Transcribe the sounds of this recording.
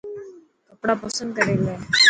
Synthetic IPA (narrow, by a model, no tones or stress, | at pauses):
kɐpːɽaːpɐsənd̪̚kɐɽeːleː